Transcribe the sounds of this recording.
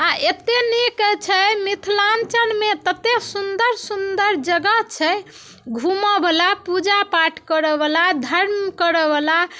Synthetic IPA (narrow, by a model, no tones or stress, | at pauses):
aet̪enikt͡ʃʰɛmit̪ʰlant͡ʃənmet̪ət̪esund̪əɾsund̪əɾd͡ʒəɡət͡ʃʰɛ | ɡʱumɔbʱəlapud͡ʒapaʈʰkəɾəbəlad̪ʱəɾmkəɾəbala